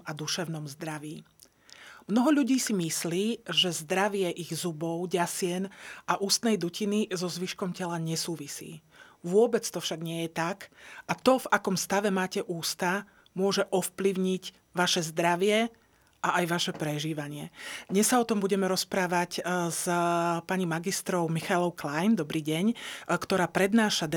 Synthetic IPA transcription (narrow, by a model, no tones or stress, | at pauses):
ad̪uʃɛʊnɔmzd̪ɾaʋiː | mnɔɦɔʎuɟiːsimisliːʒɛzd̪ɾaʋɪɛʔiɣzubɔʊɟasɪɛnʔaʔuːst̪nɛjd̪ucʰinizɔzʋiʃkɔmcɛlaɲɛsuːʋisḭː | ʋʊɔbɛt͡st̪ɔfʃaɡɲɪɛjɛt̪akʔat̪ɔvakɔmst̪aʋɛmaːcɛʔuːst̪a | mʊɔʒɛʔɔfpliʊɲiɟ | ʋaʃɛzd̪ɾaʋɪɛ | ʔaajʋaʃɛpɾɛʒiːʋaɲɪɛd̪ɲɛsːaɔt̪ɔmbuɟɛmɛɾɔspɾaːʋacz̥paɲimaɡist̪ɾɔʊmixalɔʊklajmd̪ɔbɾiːɟɛɲkt̪ɔɾaːpɾɛd̪naːʃad̪